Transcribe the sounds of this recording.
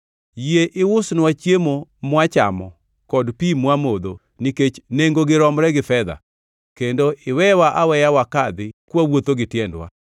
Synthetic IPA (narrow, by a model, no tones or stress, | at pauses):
jieʔɪwʊsnwat͡ʃjemomwat͡ʃa̰mɔ̰ | kɔdpimwamod̪o | niket͡ʃneŋɡoɡɪɾɔmɾɛɡɪfɛd̪a̰ | kendoɪwɛwaʔawɛjawakad̪ɪkwawot̪oɡɪtjɛndwa̰